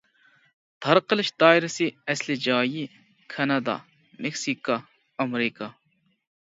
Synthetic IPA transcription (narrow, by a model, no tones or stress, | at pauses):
t̪ʰɐɾqəlɪʃd̪ɑːiɾɐsiɛslid͡ʒɑːji | kʰɐnɐd̪ɑ̰ | meksiːkɑː | mɾikɑ